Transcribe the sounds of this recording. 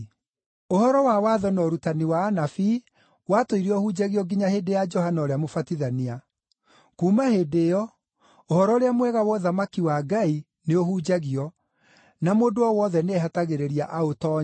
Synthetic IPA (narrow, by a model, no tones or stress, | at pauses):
ohɔɾɔwawaðɔnɔɾutaniwaːnafi | watoiɾeɔhud͡ʑaɣiɔɡiɲaheːdejad͡ʒɔhanaoɾeamofatiðania | kuːmaheːdeɔ | ohɔɾɔoɾeamwɛɣawɔðamakiwaɡai | neohud͡ʒaɣiɔ | namoːdoɔwɔðɛneeɦataɣeɾeɾiaʔaotɔ